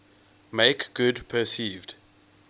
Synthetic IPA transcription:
meɪkɡ̥ʊdpʰəsiːvd̥

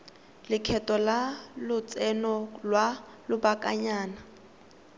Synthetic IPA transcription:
lɪkʰɛtɔlalʊt͡sʼɛnɔlwalʊbakʼaɲaːna

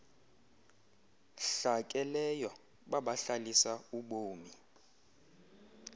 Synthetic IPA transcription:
ɬakʼɛlɛjɔ | ɓaɓaɬalisauɓoːmi

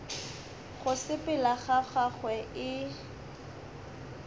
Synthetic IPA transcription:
ɣʊsɪpɪlaɣaχaχwɛɪ

